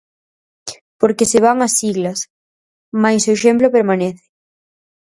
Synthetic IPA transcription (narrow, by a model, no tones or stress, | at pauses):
poɾkeseβ̞aŋɐsiɣlɐs | majsoeʃemplopeɾmaneθɪ̥